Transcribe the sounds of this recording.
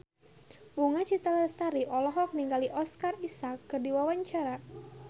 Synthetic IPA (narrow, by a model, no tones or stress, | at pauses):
buŋat͡ʃit̪alast̪aɾiʔɔlɔɦɔk̚niŋɡaliʔɔskarisakːɨrdiwawaɲt͡ʃaɾa